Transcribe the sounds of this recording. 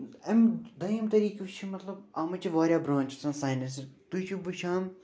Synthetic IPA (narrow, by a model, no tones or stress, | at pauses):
ɐmd̪ɐjmt̪ɐɾiːkit͡ʃʰimɐt̪lɐbɐːmɐt͡ʃʰiʋaːɾʲjaːbɾõːnt͡ʃisɐ̃nsaːnɐs̬t̪ut͡ʃʰubuʃaːm